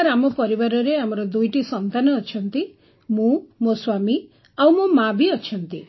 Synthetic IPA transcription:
ɾamɔpɔɾibaɾɔɾeamɔɾɔd̪ujʈisɔnt̪anɔːt͡ʃʰɔnt̪i | mũmoswami | awmomabʱiɔt͡ʃʰɔnt̪i

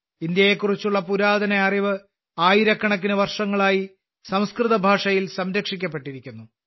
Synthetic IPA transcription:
ind̪jɐje̞kːurit͡ɕːuɭːɐpuɾaːd̪ɐnɐɐriʋɨ | aːjiɾɐkːɐɳɐk̬ːinɨʋɐrʂɐŋːɐɭaːji | sɐmskrɨðɐbʱaːʂɐjilsɐmɾɐkʂik̬ʲːɐpːe̞ʈːiɾikʲːunːu

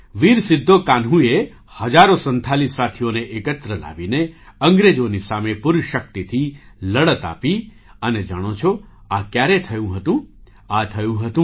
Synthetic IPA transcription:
ʋiɾsɪd̪ʱːokanɦũe | həd͡ʒaɾosənt̪ʰalisːat̪ʰijoneʔekət̪ɾəla̰ʋineəŋɡɾed͡ʒonisamepʊɾʃək̚t̪it̪ʰiləɭət̪a̰pi | əned͡ʒəɽ̃ot͡ʃʰoakjaɾet̪ʰəjũɦət̪ũ | at̪ʰəjũɦət̪ũ

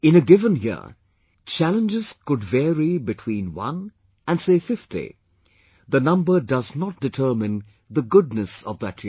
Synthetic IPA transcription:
ɪ̃nɨɡɪvə̃njɪ̰ɹ | t͡ʃʰælə̃nd͡ʒɪz̥kʊdvɛɹibɨtʰw̥ĩːnwʌ̰̃n | ə̃nseɪfɪftḭ | ðənʌ̃mbə˞dʌznət̚d̥ɨtʰɜːmɪ̃n | ðəɡʊdnɨsɔ̰vðətʰji

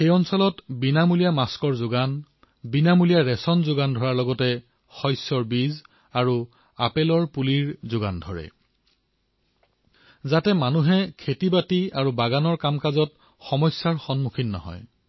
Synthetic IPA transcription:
xejɔnsɔlɔtbinamulijamaskɔɹzʊɡan | binamulijaɹɛsɔnzʊɡandʱɔɹaɹlɔɡɔtɛ | xɔjsɔɹbiz | aɹu | a̰pelɔɹpuliɹzʊɡa̰ndʱɔɹɛ̰ | zatɛmanuɦɛkʰetibatiaɹubaɡanɔɹkamkazɔt | xɔmɔjsjaɹxɔnmukʰinːɔ̰ɦɔ̰j

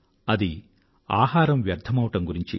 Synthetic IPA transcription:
ɐd̪i | aːɦaːɾɐmʋjɐɾd̪ʱʰːɐmɐʋɐʈɐmɡuɾiɲt͡ʃḭ

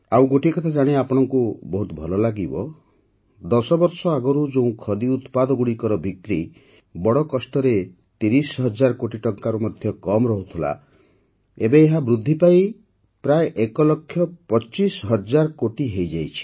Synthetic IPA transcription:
awɡoʈikɔt̪ʰad͡ʒaɽ̃eapɔɽ̃ɔŋkubɔɦut̪ɔbʱɔlɔlaɡibɔ | d̪ɔsɔbɔɾsɔaɡɔɾud͡ʒeũkʰɔd̪iut̪pad̪ɔɡuɽikɔɾɔbʱikkɾi | bɔɽɔkɔsʈɔɾe | t̪iɾisɦɔd͡ʒaɾkoʈiʈɔŋkaɾumɔd̪ʱjɔkɔmɾɔɦut̪ʰula̰ | ebeːɦabɾud̪ʱːipaj | pɾaeʔekɔlɔkʰːjɔpɔt͡ʃisɦɔd͡ʒaɾkoʈiɦejd͡ʒajt͡ʃʰi̥

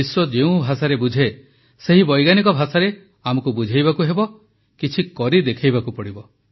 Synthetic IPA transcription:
iswɔd͡ʒeũbʱasaɾebud͡ʒʱe | seɦibɔjɡanik̬ɔbʱasaɾe | amɔkubud͡ʒʱajbakuɦebɔ | kit͡ʃʰikɔɾid̪ekʰajbakupɔɽibɔ

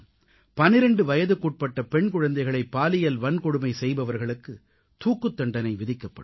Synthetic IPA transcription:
pɐnɪɾɐɳɖɯʋɐjɐðɯkuːʈ̚pɐʈːɐpɛɳkʊɻɐnd̪ɐɪɣɐɭɐɪpːaːlɪjɐlʋɐnkɔɽɯmɐɪsɛjbɐʋɐɾɣɐɭɯkːɯ | t̪uːkːɯt̪ːɐɳɖɐnɐɪʋɪðɪkːɐpːɐɽ

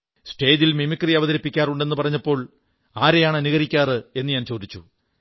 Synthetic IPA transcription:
sʈe̞ːd͡ʑilmimikːriɐʋɐðɐɾɐpːikʲːaːruɳɖe̞nːɨpɐrɐɲːɐpːo̞ːɭ | aːɾejaːɳɐnuɣɐɾikʲːaːrɨe̞nːɨɲaːnt͡ɕo̞ːd̪it͡ɕːu

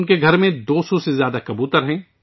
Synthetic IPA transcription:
nkeɡʱɐɾmẽd̪oːsɔsezjaːd̪akɐbuːt̪əɾɦɛ̃ː

